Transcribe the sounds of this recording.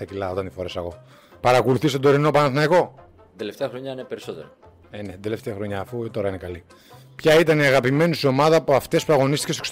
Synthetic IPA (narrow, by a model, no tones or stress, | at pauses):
ɐcilɐoot̪ɐnt̪ifo̞ɾe̞sɐɣo̞ | pɐɾɐkoluθist̪od̪o̞ɾino̞pɐnɐθnɐiko̞ | d̪eleft̪eɐxɾo̞ɲɐinepeɾiso̞t̪ḛɾo | enet̪d̪e̞left̪eɐxɾo̞ɲɐːfut̪o̞ɾɐinekɐli | pçɐit̪ɐniɐɣɐpime̞nisio̞mɐðɐpuɐft̪espuɾɐɣo̞nist̪i̥cest̪s